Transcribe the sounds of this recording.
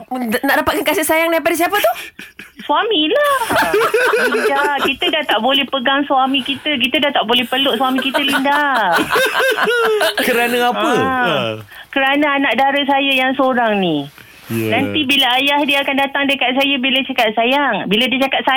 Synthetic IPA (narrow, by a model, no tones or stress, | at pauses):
naʔdapat̪̚kankasɪʔsajaŋdaip̬adasiapət̪uhsuwamilah | lindakit̪ədaht̪aʔbolɛhpəɡaŋswamĩkit̪ək̬it̪ədaht̪aʔbolɛhpəlʊʔswamĩkit̪əlinda | kəɾanaapə | kəɾanəanaʔ̚daɾəsajajaŋsəoɾaŋni | nant̪ibilaajahdiakandat̪aŋdəkat̪̚s̬ajabilət͡ʃakat̪̚sajaŋbiladiat͡ʃakat̪̚sa